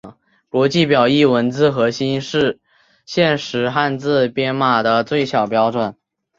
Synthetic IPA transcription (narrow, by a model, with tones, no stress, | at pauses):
kwɔ˧˥t͡ɕi˥˩pjɑ˨˩ʊi˥˩wə˧˥nt͡sɹ̩˥˧xɤ˧˥ɕi˥nʂɻ̩˥˧ | ɕjɛ˥˩nʂɻ̩˧˥xa˥˧nt͡sɹ̩˥˧pjɛ˥nma˨˩d̪ə˨˩t͡swe˥˩ɪɕjɑ˨˩ʊpjɑ˥ʊʈ͡ʂwə˨˩˦n